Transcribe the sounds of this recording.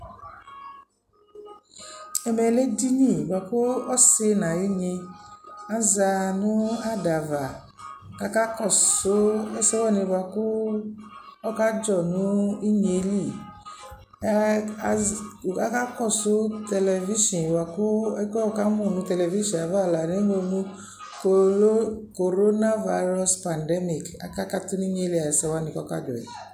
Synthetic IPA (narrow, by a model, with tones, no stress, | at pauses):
ɛ˨me˨le˦di˦ɲĩ˨ba˨ko˦ɔ˦se˧nã˨ji˦ɲe˧ | a˦za˧nũ˦a˦da˨va˨ | ka˨˦ka˦kɔ˨so˦e˦sɛ˦wɔ˦˨nĩ˨˧˨ba˨ko˦ | ɔ˦ka˦d͡ʒɔ˦˨nũ˦i˦ɲe˨˦li˦˨ | ka˦ka˦kɔ˦˨so˦tɛ˧lɛ˧vi˦ʃɔ̃˨wa˨ku˦ɛ˦kɔ˦˨ka˦mũ˦˨nũ˨˦tɛ˧lɛ˨vi˦ʃɔ̃˨a˨va˦˨la˨ne˦o˧nũ˦ | ko˨o˦ko˨ɾo˦na˦va˧˦ɾɔ˦spa˨ndɛ˦mi˨ka̰˨ka˦ka˦tu˦ni˦ɲe˦li˦˨a˨ɛ˨sɛ˧wa˦nĩ˧kɔ˦ka̰˦d͡ʒɔ̰˨ɛ̰˨